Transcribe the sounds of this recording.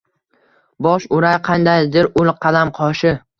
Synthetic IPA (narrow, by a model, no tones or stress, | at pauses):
bɒʃʊɾajqʰɑnd̪ajd̪ɪɾʊlˠqʰɑd̪amqʰɒʃɪ